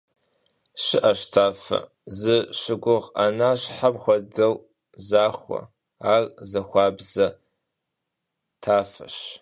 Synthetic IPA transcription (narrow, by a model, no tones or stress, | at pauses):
ɕɪʔɐɕtʰaːfɐ̰ | zɨɕɪɡʷʊʁanaːɕħamχʷɔdɐw | zaːxʷɐ̰ | aːrzɐxʷɑːbzɐ | tʰaːfɐ̰ɕ